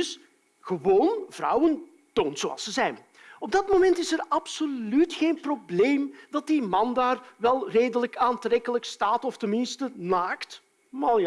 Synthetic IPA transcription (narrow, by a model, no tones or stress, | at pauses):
s | ɣəʋoːnvrɑ̰wən | toːntsoɑ̰lˠsəzɛjn | ɔb̚dɑtmomɛntɪsəɾɑpsolytxeːnprobleːmdɑt̚dimɑndaːrʋɛlˠreːdələkaːntrɛkələkstaːtɔftənmɪnstənaːkt | maj